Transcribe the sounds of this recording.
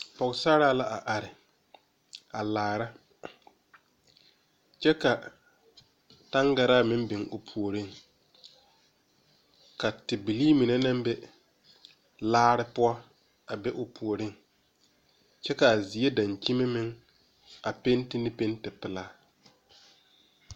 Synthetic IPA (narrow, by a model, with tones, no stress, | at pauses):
pɔ˨ɣsa˦ɾaː˦la˦ʔa˨ʔa˨ɾɪ˨ | a˨laː˨ɾa˦ | t͡ʃɛ˦ka˨ | ta˦ŋɡa˨ɾaː˦mɪ˦mbɪ˨ŋʊ˨pʰu˨o˨ɾɪ˦˨ŋ | ka˨tɪ˨bi˨liː˦mi˨ne˦na˦mbɛ˦ | laː˦ɾɪ˦pʊ˦ɔ˦ | a˨bɛ˦ʔʊ˨pʰu˨o˨ɾɪ˦˨ŋ | t͡ʃɛ˦ka˨a˨zi˨˦e˦da˨ɲt͡ʃi˦mɪ˦mɪ˦ŋ | a˨pe˦ntɪ˦nɪ˦pe˦ntɪ˨pɪ˨laː˦